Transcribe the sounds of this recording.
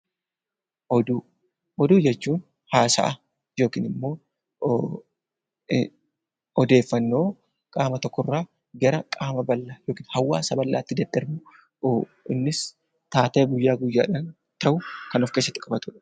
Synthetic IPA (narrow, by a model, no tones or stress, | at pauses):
ɔd̪u | ɔd̪uːd͡ʒɛt͡ʃːuːn | haːsɐ̰ʔɐ | jo̞ːkḭːnɪmːo̞ː | ɔd̪e̞ːfːɐnːo̞ː | kʼaːmɐt̪ɔkːɔrːaː | ɡɐɾɐkʼaːmɐbɐlːaːjoːkiːnhɐwːaːsɐbɐlːaːt̪ːɪd̪ɐd̪ːɐɾbʊ | ɪnːɪs | t̪aːt̪eːɡʊjːaːɡʊjːaːᶑan | t̪ɐʔʊkɐnɔfke̞ːsːɐt̪ːɪ̥kʼɐbɐt̪ʊᶑɐ̥